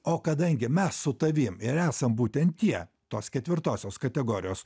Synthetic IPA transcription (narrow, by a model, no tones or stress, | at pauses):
oːkɐd̪ɐŋʲɡʲɪmʲɛssʊt̪ɐʋʲiːmɪɾæːsɐmbuːt̪ʲɛnt̪tʲiɛ | t̪oːskʲɛt̪ʲʋʲɪɾt̪oːsʲoːskɐt̪ʲɛɡoːɾʲɪjoːs